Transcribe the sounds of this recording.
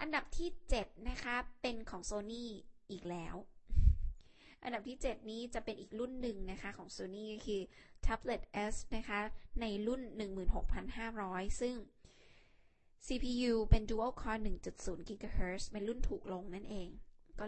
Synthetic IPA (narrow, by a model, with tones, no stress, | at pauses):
ʔa˧nda˨˩p̚t̪ʰiː˥˩t͡ɕe˨˩t̪̚na˦˥kʰa˦˥pe˧nkʰɔː˩˦ŋsoː˧niː˥˩ʔiː˨˩k̚lɛː˦˥w | ʔa̰˧nda˨˩p̚t̪ʰiː˥˩t͡ɕe˨˩t̪̚niː˦˥t͡ɕa˨˩pe˧nʔiː˨˩k̚lu˥˩nːɯ˨˩ŋna˦˥kʰa˦˥kʰɔː˩˦ŋsoː˧niː˥˩kɔ˥˩kʰɯː˧t̪ʰa˦˥ble˨˩t̪̚ʔe˦˥sna˦˥kʰa˦˥na˧jlu˥˩nːɯ˨˩ŋmɯː˨˩nɦo˨˩k̚pʰa˧nhaː˥˩ɾɔː˦˥jsɯ˥˩ŋ | siː˧pʰiː˧juː˧pe˧nduː˧˦ʔə˥˩kʰɔː˧nɯ˨˩ŋt͡ɕu˨˩t̪̚suː˩˦nki˧koː˧heː˦˥spe˧nlu˥˩nt̪ʰuː˨˩k̚lo˧ŋna˥˩nʔeː˧ŋkɔː˥˩